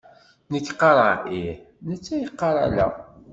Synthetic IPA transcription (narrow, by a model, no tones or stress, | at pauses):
nəkːqːɑɾˤɑ̰ʔiħ | nət͡sːæjəqːɑɾˤa̰læ̰